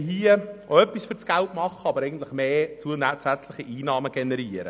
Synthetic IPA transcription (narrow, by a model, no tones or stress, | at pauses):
ɦiːəoœpːisfʏɾt͡sɡ̥æltmɑχəɑbəɾɛɪɡən̩t̪lɪχmeːt͡suənæt͡sæt͡slɪχiʔiːnɑːməɡ̥ɛnɛɾiːəɾə̰